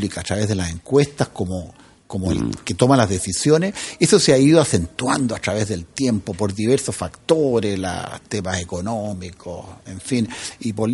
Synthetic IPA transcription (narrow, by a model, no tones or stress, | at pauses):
likaːtɾaβezðelaseŋkwest̪ahkomo | komo̰ket̪omalazðesisjonesesoseaiðoasent̪wand̪oatɾaβezðe̞lt̪jempopoɾðiβeɾsosfakt̪oɾesla̰st̪emasekonomikʰoseɱfinipol